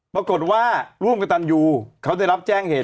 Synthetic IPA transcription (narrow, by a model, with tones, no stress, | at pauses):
pɾa˧ko˨˩t̪̚waː˥˩ɾu˥˩ə˨mka˧t̪a˧njuː˧kʰa˦˥wda˧˥˩jɾa˦˥p̚t͡ɕɛː˥˩ŋheː˨˩